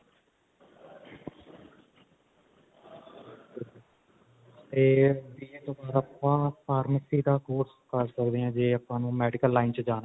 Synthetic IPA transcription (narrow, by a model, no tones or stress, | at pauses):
t̪eːbiːeːt̪oːbaːɾaːpãːpʰaːɾməsiːd̪aːkoːɾskəɾsəkd̪eːãːd͡ʒeːəpãːnũːmɛːɖɪkəlːaːɪnt͡ʃd͡ʒaːnː